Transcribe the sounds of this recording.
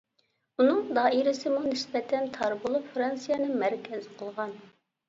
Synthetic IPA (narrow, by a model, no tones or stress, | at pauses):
unɨŋd̪ɑːiɾɪsɪmunɪsbɛt̪ʰɛnt̪ʰɑɾbolˠupfɾɑnsijɛnɨmæɾkʲʰɛzɪqʰəlˠʁɑn